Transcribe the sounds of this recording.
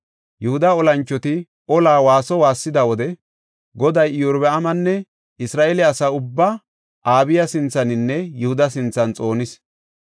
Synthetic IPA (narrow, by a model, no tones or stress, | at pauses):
jɛhʊd̪ɐɔlɐnt͡ʃːɔt̪ɪ | ʔɔlaːwaːsɔwaːsːɪd̪ɐwɔd̪ɛ | ɡɔd̪ɐjɪjʊɾbɛɐmɐnːɛ | ɪsɾaːʔɛlɪɐsaːʊbːɐ | ʔaːbɪjɐsɪnt͡sːɐnɪnːɛjɛhʊd̪ɐs̬ɪnt͡sːɐnt͡sʼo̞ːnɪs